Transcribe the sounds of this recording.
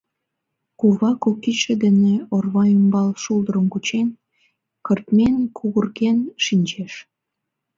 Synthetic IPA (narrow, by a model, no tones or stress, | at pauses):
kuβɑkokːit͡ɕĕd̪eneorβɑəmbɑlʃuld̪əɾəmkut͡ɕen | kərt̪menkʰuɣərɣenʃinʲt͡ɕeʃ